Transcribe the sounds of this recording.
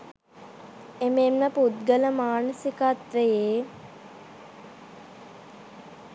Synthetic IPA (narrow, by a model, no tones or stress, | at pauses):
ememməput̪ɡələmaːnəsikat̪ɾəjeː